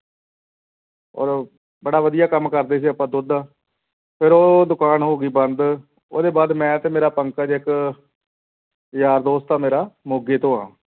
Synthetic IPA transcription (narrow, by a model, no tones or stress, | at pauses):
ɔ̰ːɾ | bəɽaːʋəd̪ɪjaːkəmkəɾd̪eːs̬iːəpːãːd̪ʊd̪aː | pʰɪɾoːd̪ʊkaːnɦoːɡiːbənd̪ | oːd̪eːbaːd̪mɛ̃ːt̪eːmeːɾaːpəŋkaːd͡ʒɪk | jaːɾd̪oːst̪aːmeːɾaːmoːɡeːt̪õːãː